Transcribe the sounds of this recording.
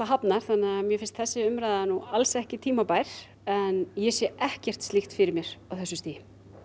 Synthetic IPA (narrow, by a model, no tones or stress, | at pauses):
θaɦapnaɾ̥θanːɪamjɛfɪnst̪θɛsːɪʏmɾajðanualsɛhcɪt̪ʰiːmapajɾ̥ | ɛnjɛsjɛɛhcɛr̥t̪st̪ixt̪fɪɾɪɾmjɛɾ̥awθɛsːʏst̪iːjɪ